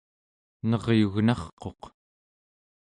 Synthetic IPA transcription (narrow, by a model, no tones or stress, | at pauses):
nʌʁjuɣnɑχqo̞q